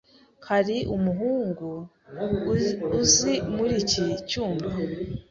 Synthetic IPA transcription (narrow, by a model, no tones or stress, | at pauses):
kʰaɾiʔumuɦuːŋɡu | uzimuɾicicuːmba